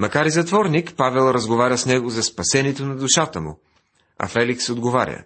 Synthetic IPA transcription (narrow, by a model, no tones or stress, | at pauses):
mɐkaɾizɐt̪vɔɾnikpavɛlˠɾɐzɡovaɾʲəsnɛɡʊzɐspɐsɛniɛt̪onɐd̪ʊʃat̪əmʊ̰ | ɐ̰fɛliksod̪ɡova̰ɾʲə̰